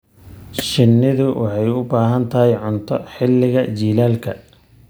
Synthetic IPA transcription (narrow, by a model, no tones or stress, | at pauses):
ʃɪnːɪðʊwʔɑħɑjʊbaːɦɐnt̪ʰɐɦɛjʕʊnt̪ʰɔħɪlːɪɣɐt͡ʃiːlaːlkʰɐ